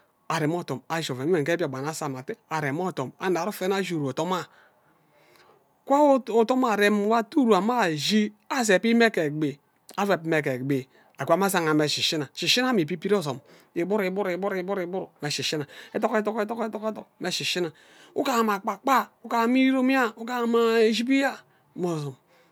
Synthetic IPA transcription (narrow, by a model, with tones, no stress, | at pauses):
a˨ɾe˨m˦o˦to˨ma˨ʒo˨ve˨i˦e˨ke˦bi˦a˨ɡ͡ba˨na˦sa˨ma˨te˦a˨ɾe˨m˦o˦to˨ma̰˨na˨ɾu˦fe˦na˦ʒu˨ɾu˨o˨to˦ma˦˨ | kʷa˦o˨to˦ma˨ɾe˦m˦wa˦tu˦ɾu˨a˨ma˦˨d͡ʒi˦ | a˦s̬e˨pi˦me˦ke˨ɡ͡be˨ | a˦ve˨p̚me˨ke˨ɡ͡be˨ | a˨kʷa˨˦m˦a˦sa˨ŋa˨me˨ʃi˨ʃi˦na˨ʃi˨ʃi˦na˦mi˨pi˦pi˦o˦zo˨m | i˨bu˦ɾi˨˦bu˦ɾi˨bu˦ɾi˨˦bu˦ɾi˨bu˦ɾme˨ʃi˨ʃi˦na˨e˦to˦ke˦to˦ke˦to˦ke˦to˦ke˦to˨kme˨ʃi˨ʃi˦na˨ | u˦ka˨ma˨k͡pa˨k͡pa˦u˦ka˨˦mi˦ɾo˦m˦a˦u˦ka˦ma˨e˨ʒi˦p̬i˦ja˦˨ | mo˨zo˨m